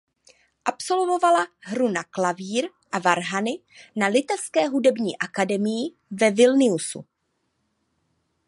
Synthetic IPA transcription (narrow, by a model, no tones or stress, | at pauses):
ʔapso̞lvo̞valaɦɾunaklaviːɾ | ʔavaɾɦanɪ | nalɪt̪ɛfskɛːɦudɛbɲiːʔakadɛmɪjɪ | vɛvɪlnɪusṵ